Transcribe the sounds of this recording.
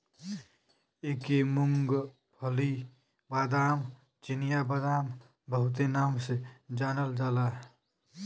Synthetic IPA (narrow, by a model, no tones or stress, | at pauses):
eːkemʊŋɡ | pʰəli | baːd̪aːm | t͡ʃɪnɪjabaːd̪aːm | bəɦʊt̪̬enaːmsed͡ʒaːnəld͡ʒaːlaːɦ